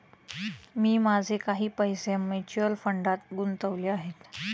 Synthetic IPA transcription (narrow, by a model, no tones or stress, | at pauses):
miːmad͡zʱekaɦiːpəjsemet͡ɕuəlfəɳɖat̪ɡunt̪əʋleaɦet̪